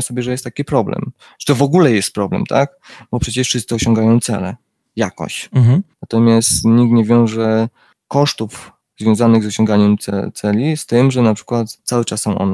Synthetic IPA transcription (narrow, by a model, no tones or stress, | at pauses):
sɔbʲjɛʐɛjɛst̪ːakʲipɾɔblɛ̰m | ʈ͡ʂɛ̥t̪ɔvɔɡulɛjɛst̪̚pɾɔblɛ̰mt̪ʰa̰k | bɔpʂɛt͡ɕɛʂfʂɨst̪sɨɔɕɔ̃ŋɡajɔ̃w̃t̪sɛ̰lɛ | jakɔ̰ɕt͡ɕnat̪ɔmʲjast̪ɲikt̪ɲɛvʲjɔ̃w̃ʐɛ | kɔʂt̪uf | zvʲjɔ̃w̃zanɘɣzɔɕɔ̃ŋɡaɲɛmt̪sɛ̰t̪sɛlʲist̪ɘmʐɛnapʂɘ̥kwat̪sawɘt͡ʂasːɔ̃w̃ʔɔ̰nɛ